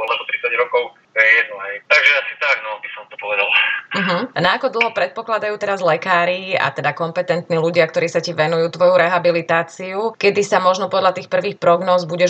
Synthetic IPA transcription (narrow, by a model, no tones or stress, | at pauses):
ɔlɛbɔt̪ɾit͡saɟɾɔkɔʊ | ɛɛnɛjt̪aɡʒɛasi̥t̪aɡnɔbisɔmt̪ɔpɔʋɛd̪alm̩ɦm̩naːkɔd̪l̩ˠɦɔpɾɛt̪̚pɔklad̪ajuːt̪ɛɾazlɛkaːɾia̰t̪ɛd̪akɔmpɛt̪ɛnt̪niːluɟɪakt̪ɔɾiːsaciʋɛnujuːt̪ʋɔjuɾɛɦabilit̪aːt͡siukɛd̪isamɔʒnɔpɔd̪ʎat̪iːxpr̩ʋiːxpɾɔɡnɔːzbuɟɛʒ